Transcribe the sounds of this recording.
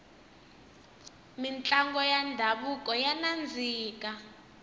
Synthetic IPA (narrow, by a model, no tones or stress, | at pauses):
mint͡ɬʼaŋɡɔjandʱaɓuk̬ʼɔjanand͡zʱiːk̬ʼa